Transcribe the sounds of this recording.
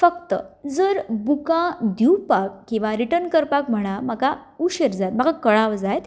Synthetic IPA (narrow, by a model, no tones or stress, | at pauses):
fəkt̪əd͡zəɾbukãd̪ʱiwpakːĩw̃ʋaɾiʈənkəɾpak̚m̤əɽ̃amakauɕeɾd͡zajt̪m̤aɡakəɭaʋd͡zajt̪